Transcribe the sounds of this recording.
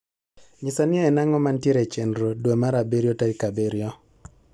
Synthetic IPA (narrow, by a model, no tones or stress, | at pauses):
ɲɪsanɪɛːnaŋɔmantjeɾet͡ʃendɾodwomaɾabeɾjɔtaikabeɾjɔ